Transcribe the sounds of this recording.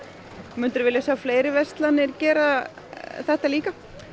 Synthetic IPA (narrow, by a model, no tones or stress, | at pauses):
mʏnt̪ʏɾvɪljasjaːwfleːjɾɪvɛst̪lanɪɾcɛːɾa | θɛht̪aliːka